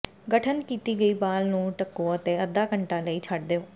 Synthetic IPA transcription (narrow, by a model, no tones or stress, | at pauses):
ɡəʈʰənkiːt̪iːɡəiːbaːlnũːʈəkːoːət̪ẽːəd̪ːaːkəɳʈãːləiːt͡ʃʰəɖd̪eːoː